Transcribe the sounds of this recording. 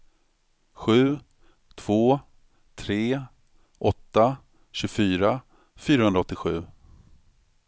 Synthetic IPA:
ɧʉ̟ː | t̪ʰv̥oː | t̪ʰɾeː | ʔɔt̪ːa | ɕɵɡfyːɾa | fyːɾahɵnd̪ɾaɔt̪ːɪɧʉ̟ː

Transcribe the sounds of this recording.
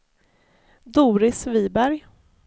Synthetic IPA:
d̪uːɾɪsviːbæɾj

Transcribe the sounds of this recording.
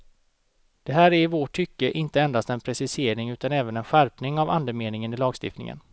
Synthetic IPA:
d̪̥ɛɦæːɾæɾɪvoʈʰːʏkːəʔɪnt̪əɛnd̪ast̪ɛnpʰɾɛsɪseːɾɪŋʉ̟ːt̪anɛːvənɛnɧæɾpnɪŋava̰nd̪əmeːnɪŋənɪlɑːɡst̪ɪ̰ft̪nɪ̰ŋə̰n

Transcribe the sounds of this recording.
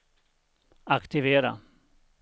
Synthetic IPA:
akt̪ɪveːɾa̰

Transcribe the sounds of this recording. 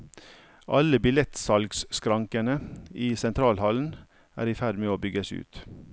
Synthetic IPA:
ʔɑləbɪlɛt̪sɑlɡsskɾɑŋkənəiːsɛnt̪ʰɾɑːlhɑln̩ | ʔæ̰ːɾɪːfæɖ̪meːoːbʏɡəsʉ̰ːt̪

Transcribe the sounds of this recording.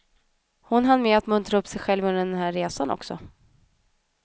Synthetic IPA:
hʊnɦanːmɛat̪mɵnt̪ɾaɵpːsɛjɧɛlvɵnəɛɛnɦæːɾːeːsanɔ̰ksɔ̰

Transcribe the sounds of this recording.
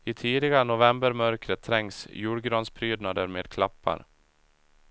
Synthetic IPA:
ɪt̪ʰiːd̪ɪɡaənʊvɛmbəɾmœɾkɾət̪ʰːɾɛŋsjuːɖɡɾɑːnspʰɾyːd̪nad̪əɾmeːd̪̚kʰlapːa̰ɾ

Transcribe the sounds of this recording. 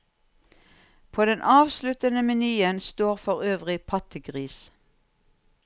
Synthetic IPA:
pʰoːd̪ɛnʔɑːʋslʉt̪ənəmɪnyːənst̪oːʁfɔʁøːʋʁɪpʰɑt̪əɡʁiːs

